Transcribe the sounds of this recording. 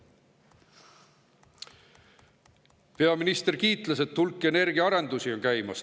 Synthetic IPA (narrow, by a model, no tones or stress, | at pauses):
pe̞ɑminist̪e̞rkiːt̪ˑlɑse̞t̪ːulkːˑe̞ne̞ɾɡ̥iɑɑɾe̞nd̪̥usio̞nkæjmɑs